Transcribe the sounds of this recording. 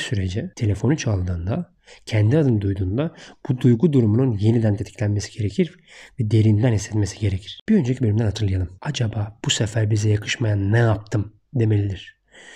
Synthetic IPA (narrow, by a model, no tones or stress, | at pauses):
syɾe̞d͡ʒɛt̪ʰe̞lʲe̞fo̞nut͡ʃʰalˠd̪ɯːnd̪a | cʰænd̪iad̪ɯnd̪ujd̪uːnd̪ab̥ud̪ujɡud̪uɾumununje̞nid̪ænt̪ʰe̞t̪ʰi̥cʰʲlʲænmesi̥ɟ̥e̞ɾe̞cʰiɾ | vɛd̪e̞ɾind̪ænhisːɛt̪me̞si̥ɟe̞ɾecʰiɾ̥b̥iø̞nd͡ʒecʰibølʲimd̪ænhat̪ɯɾlˠajalˠɯmad͡ʒabaːb̥usefæɾbizɛjakʰɯʃmajanːɛjap̚t̪ʰɯm | d̪e̞me̞lʲid̪iɾ̝̥